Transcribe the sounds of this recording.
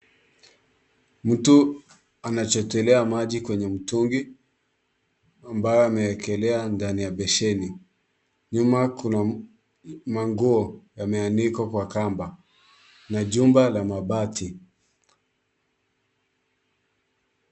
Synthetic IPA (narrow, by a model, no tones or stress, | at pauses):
m̩tu | anat͡ʃɔtɛlɛamaʄikwɛɲɛm̩tuŋɡi | ambajɔamɛɛkɛlɛandanijaɓɛʃɛni | ɲumakuna | maŋɡuɔjamɛanikakwakamba | naʄumbalamaɓatʰi